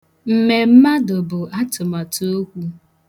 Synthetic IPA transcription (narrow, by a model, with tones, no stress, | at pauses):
m̩˨me˨m̩˦ma˦dʊ˨bʊ˨ʔa˦tʊ˨ma˨to˦kʷu˦